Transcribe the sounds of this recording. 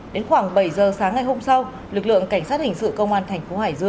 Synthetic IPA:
ɗe˨˦nxwaː˧˩ŋɓə˧˩jzəː˨˩saː˨˦ŋːa˨˩jɦo˧msa˧w | lɨ˨˩k̚lɨ̰˧˨əŋka˧˩jŋ̟sa˦˥t̚hï˨˩ŋ̟sɨ̰˧˨kə˧wŋ͡mʔaː˧nt̪ʰɛ˨˩ŋ̟fo˨˦haː˧˩jzɨ˧əŋ

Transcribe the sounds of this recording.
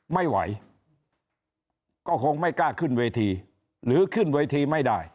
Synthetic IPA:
ma˥˩jwa̰˩˦j | kɔː˥˩kʰo˧ŋma˥˩jklaː˥˩kʰɯ˥˩nweː˧t̪ʰiː˧ | ɾɯː˩˦kʰɯ˥˩nweː˧t̪ʰiː˧ma˥˩jdaː˥˩j

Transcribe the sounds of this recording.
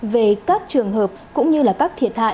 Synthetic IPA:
ve˨˩kaː˦˥k̚t͡ɕɨ˨˩əŋɦəː˨˩p̚kʊ̰˧˥ŋ͡mɲɨ˧laː˨˩kaː˦˥k̚t̪ʰi˨˩ət̚ha̰ː˧˨

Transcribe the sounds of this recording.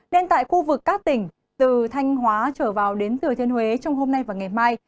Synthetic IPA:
ne˧nt̪a̰ː˧˨jxu˧vɨ˨˩kːaː˦˥k̚t̪ï˧˩ŋ̟ | t̪ɨ˨˩t̪ʰa˧jŋ̟ɦwaː˨˦t͡ɕəː˧˩vaː˨˩wɗe˨˦nt̪ɨ˨˩ət̪ʰi˧ənhwe˨˦t͡ɕɔ˧wŋ͡mɦo˧mna˧jvaː˨˩ŋa˨˩jmaː˧j

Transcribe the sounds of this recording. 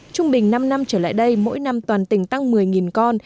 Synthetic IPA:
t͡ɕʊ˧ŋ͡mɓï˨˩ŋ̟na˧mna˧mt͡ɕəː˧˩la̰ː˧˨jɗə˧jmo̰˧˥jna˧mt̪waː˨˩nt̪ï˧˩ŋ̟t̪a˧ŋmɨ˨˩əjŋi˨˩nkɔ˧n

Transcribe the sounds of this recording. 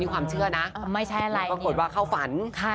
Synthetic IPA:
miː˧kʰwaː˧mt͡ɕʰɯ˥˩ɐnaː˦˥˧ma˥˩jt͡ɕʰa˦˥jʔa˨˧ɾa˧pɾa˧k̚o˨˩t̪̚waː˥˩kʰa˥˩wfa˩˦nkʰa˥˩

